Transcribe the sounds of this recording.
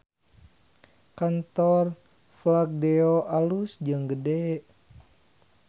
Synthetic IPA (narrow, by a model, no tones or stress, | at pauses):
kant̪ɔr | flak̚deoʔalusd͡ʒɨŋɡədɛʔ